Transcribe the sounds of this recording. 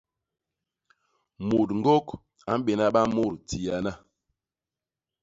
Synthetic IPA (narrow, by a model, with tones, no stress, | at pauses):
mu˨tŋ̩˦ɡo˦k | a˨˦m̩˦be˨na˦ɓa˦mo˦˨ɾti˨a˨na˦